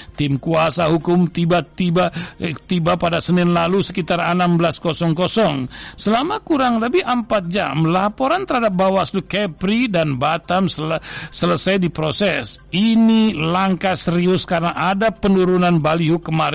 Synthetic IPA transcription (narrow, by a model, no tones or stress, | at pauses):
t̪ɪmkuasaɦukʊmt̪ibat̪ibat̪ibapadasənɪnlalusə̥kit̪arənambəlaskɔsɔŋkɔsɔŋsəlamakuɾaŋləbihəmpat̪̚d͡ʒa̰mlapɔɾant̪əɾhadap̚bawastukɛpɾidanbat̪amsəsələsajdipɾɔsɛsinilaŋkasəɾiʊskarənaʔadapənuɾunanbaliɦukəmaɾ